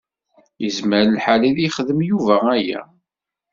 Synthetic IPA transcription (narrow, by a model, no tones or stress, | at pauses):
jəzməɾəlħaliðiχəðəmjuvææjæ̰